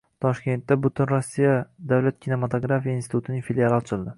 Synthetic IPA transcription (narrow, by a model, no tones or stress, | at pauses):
t̪ʰɒʃkʲe̞nt̪ːabʊt̪ʰɪnɾosːijad̪awlat̪̚kʲʰine̞mat̪ʰoɡɾafijainsɪ̥t̪ʰut̪ɪnɪŋfilialɪɒt͡ʃʰɪlˠd̪ɪ